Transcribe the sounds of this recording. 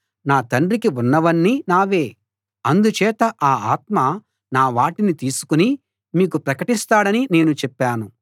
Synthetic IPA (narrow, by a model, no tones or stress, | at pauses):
naːt̪ɐɳɖɾikiunːɐʋɐnːinaːʋe̞ː | ɐnd̪ut͡ʃɛːt̪ɐʔaːaːt̪̚mɐ | naːʋaːʈinit̪iːsu̥kuni | miːk̬upɾɐkɐʈist̪aːɽɐnine̞ːnut͡ʃɛpːaːnu